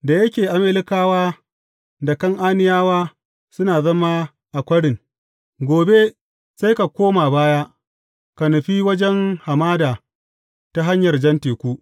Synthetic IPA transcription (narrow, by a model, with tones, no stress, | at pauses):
da˨jɐ˦kʲeː˨ʔa˨mɪ˦lɪ˦kaː˦waː˦ | da˨kɐ˦ŋʔaː˦nɪ˦jaː˦waː˦ | sʊ˦naː˨zɐ˦maː˦ | ʔa˨kʷɐ˦ɽɪ˨ŋ | ɡʷoː˨be˦ | sa˦jka˨kʷoː˦maː˨baː˦ja˦ | ka˨nʊ˨ɸiː˦wɐ˦d͡ʒɛ˦ŋha˨maː˦daː˨ | ta˦ɦa˦ɲjɐ˨rd͡ʒɐ˦nteː˨kʷu˦ʔ